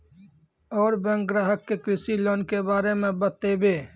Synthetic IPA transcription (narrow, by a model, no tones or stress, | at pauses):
ɔːɾbẽŋkɡɾaːɦəkːekɾɪsiloːnkebaːɾemẽbət̪ːebeː